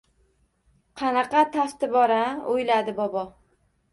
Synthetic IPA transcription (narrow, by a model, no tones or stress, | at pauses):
qʰɑnɑqɑt̪ʰaft̪ɪbɒɾaojlad̪ɪbɒbɒ